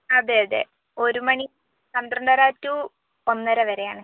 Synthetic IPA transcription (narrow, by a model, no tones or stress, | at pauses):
ɐðeɐðḛ | o̞ɾumɐɳi | sɐnd̪rɐɳɖɐɾaːtːu | onːɐɾɐʋɐɾe̞jaːɳɨ